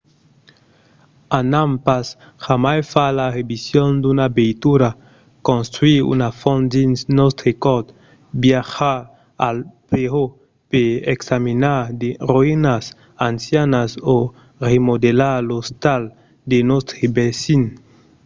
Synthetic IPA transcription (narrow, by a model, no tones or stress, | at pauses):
anampas | xamajfalaʁebisjond̪unabejt̪uɾa | kõnst̪ɾwiṵnafɔnd̪insnɔst̪ɾekɔt̪ | bjaxa | alpɾeo | peeksaminad̪eroinas | ansjanaso | remod̪elalost̪al | d̪enɔst̪ɾebesin